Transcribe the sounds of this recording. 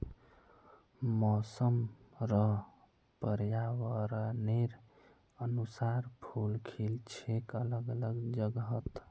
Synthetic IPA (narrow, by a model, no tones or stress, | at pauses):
mɔsəmɾəɦ | pəɾjawəɾəneɾ | ənusaɾpʰulkʰilt͡ʃʰekələɡələɡd͡ʒəɡɦət̪